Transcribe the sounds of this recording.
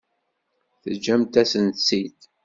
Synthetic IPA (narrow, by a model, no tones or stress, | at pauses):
θəd͡ʒæmt̪æsənt̪sit̪